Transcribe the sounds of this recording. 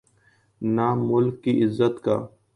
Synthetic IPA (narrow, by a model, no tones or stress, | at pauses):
naːmʊlkːiːʔɪzːət̪ka̰ː